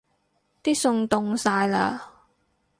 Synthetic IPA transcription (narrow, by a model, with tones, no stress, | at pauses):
t̪iː˥sʊ˧ŋt̪ʊ˧ŋsaː˧jla̰ː˧